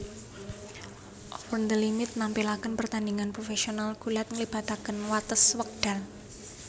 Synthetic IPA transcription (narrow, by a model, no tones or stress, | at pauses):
ʔɔpɔnd̪əlimɪt̪̚nampilakənpərt̪andiŋanpɾofesionalkulat̪̚ŋlib̥at̪akənwat̪əswək̚d̥a̤l